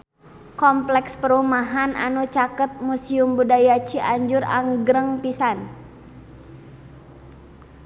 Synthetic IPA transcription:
kɔmplɛkspəɾumaɦana̰nut͡ʃakət̪̚musiumbudajat͡ʃiʔaɲd͡ʒʊra̰ŋɡɾəŋpisan

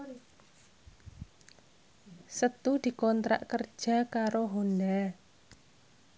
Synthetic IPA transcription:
sət̪ud̪̥i̤kɔnt̪ɾa̰ʔkərd̥ʒ̥a̤kaɾoɦona

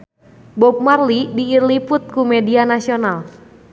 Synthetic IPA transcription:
bɔp̚marlidiːrlipʊt̪̚kumɛdianasional

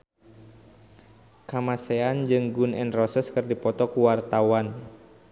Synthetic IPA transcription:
kamasɛand͡ʒɨŋɡunɛnrɔsəskɨrdipɔt̪ɔkuwart̪awan

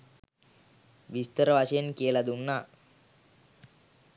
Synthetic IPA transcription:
ʋist̪əɾəʋaʃejenkijəlad̪unːaː

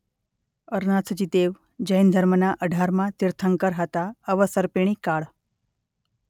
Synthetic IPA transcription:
əɾnat͡səd͡ʑit̪eʋ | d͡ʑəjnd̪ʱəɾmənaʔəɖʱaɾmat̪iɾt̪ʰəŋkəɾɦat̪aəʋəsəɾpiɳ̃ikaɭ

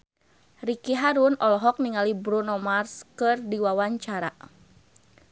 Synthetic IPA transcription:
rikiɦaɾunɔlɔɦɔk̚niŋalibɾunɔmarskɨrdiwawaɲt͡ʃaɾa̰

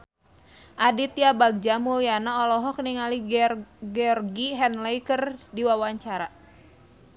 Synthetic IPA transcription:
ʔadit̪jabaɡ̚d͡ʒamulianaɔlɔɦɔkniŋaliɡɛɔrɡiɦɛnlejkərdiwawaɲt͡ʃaɾa

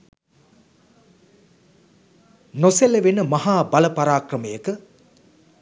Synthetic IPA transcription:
noseleʋenəmɐɦaːbalɐpaɾaːkrəmejəkə

